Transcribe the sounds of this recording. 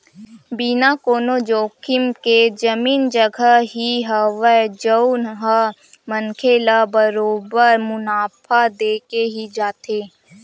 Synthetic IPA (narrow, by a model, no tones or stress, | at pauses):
biːnakoːnod͡ʒoːkʰɪmked͡ʒəmiːnd͡ʒəɡʱəɦiɦəʋəd͡ʒəʊnɦə | mənkʰeːlabəɾoːbəɾmʊnaːpʰad̪eːkeɦid͡ʒaːt̪eː